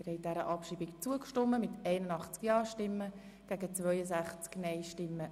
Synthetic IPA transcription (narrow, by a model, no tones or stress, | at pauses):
ɪɾhɛɪd̥æɾəʔɑpʃiːbɪkt͡suəkʃtʊmːəmɪtɛɪnənɑχt͡skjɑːʃtɪmːə | ɡ̥æɡət͡svœʏəsæχt͡sknɛɪʃtɪmːə